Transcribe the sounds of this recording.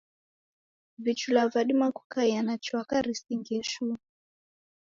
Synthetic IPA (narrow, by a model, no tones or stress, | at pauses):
vit͡ʃulavaɗimakukaianat͡ʃwakaɾisiŋɡɛʃu